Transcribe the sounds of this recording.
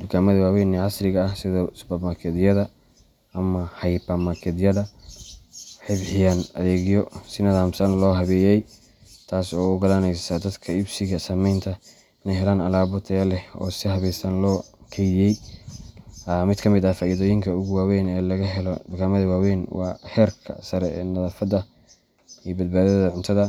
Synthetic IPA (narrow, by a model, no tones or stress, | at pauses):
d̪ʊɡaːmɐðɐwaːwɛːniʕɑsɾɪɣɐɐhsɪðɔːsbɐmakʰɛðjɐðɐ | ɐmɐhɐjbɐmakʰɛd̪jɐðɐ | ħɪβħɪjanɐðɛːɣjɔsɪnɐðaːmsɐnlɔːɦɐβɛːjɛj | t̪ʰaːsɔːʊɡɐlanɛjsɐd̪ɐd̪kʰɐɪbsɪɣɐsɐmɛjnt̪ʰɐ | ɪnɛjɦɛlaːnɐlaːβɔt̪ʰɛlɛɔ̰ːsɪɦɐβɛːsɐnlɔːkʰɛjjɛj | mɪd̪kʰɐmɪd̪ɐfaːiːðɔːjɪŋkʰɐʊɣʊwaːwɛːnɛːlɐɣɐɦɛlɔd̪ʊɡaːmɐðɐwaːwɛːnwɑ̰ːhɛːrkʰɐ̰sɐɾɛɛːnɐðaːfɐðɐ | ijbɐd̪̚baːðɐðɐʕʊnt̪ʰɐðɐ